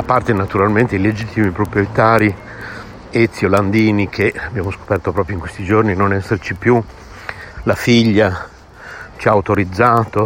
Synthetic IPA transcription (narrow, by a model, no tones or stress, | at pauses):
apːart̪enat̪uɾalment̪eiled͡ʒit̪ːimipɾopɾiot̪aːɾi | et̪sːioland̪iːnikʰeabːjaːmosko̥pɛrt̪opɾɔːpɾjoiŋkwest̪id͡ʒorninonɛsːert͡ʃipju | lafiʎːa | t͡ʃiaut̪oɾid̪zːaːt̪o